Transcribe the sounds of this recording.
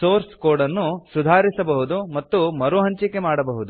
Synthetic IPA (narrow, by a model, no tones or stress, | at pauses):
soːɾskoːɽɐnːusud̪ʱaːɾisɐbɐɦud̪umɐt̪ːumɐɾuɦɐɲt͡ʃikːemaːɽɐbɐɦud̪u